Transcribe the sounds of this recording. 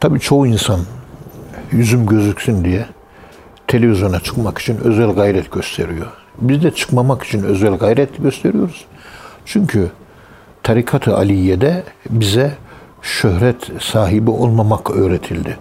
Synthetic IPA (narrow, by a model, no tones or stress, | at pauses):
t̪ʰabiːt͡ʃʰo̞uinsan | jyzymɟø̞zycsynd̪ijɛ | t̪ʰe̞lʲe̞vizjo̞nat͡ʃʰɯ̥kmaki̥t͡ʃʰinø̞̰zɛlʲɡajɾɛt̪ɟø̞st̪ʰe̞ɾijo̞ | bizd̪ɛt͡ʃʰɯ̥kmamaki̥t͡ʃʰinø̞zælʲɡajɾɛt̪ɟøst̪ʰe̞ɾijo̞ɾuz̥ | t͡ʃʰyɲcʰy | t̪ʰaɾikʰat̪ʰɯa̰lʲijɛd̪ɛbizɛ | ʃøhɾɛt̪saːɦibio̞lˠmamakʰøːɾet̪ʰilʲd̪ɪ